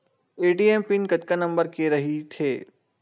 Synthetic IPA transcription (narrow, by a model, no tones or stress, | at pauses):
eːɖiːempɪnkɐt̪kanɐ̃mbəɾkeɾɐɦit̪ʰeː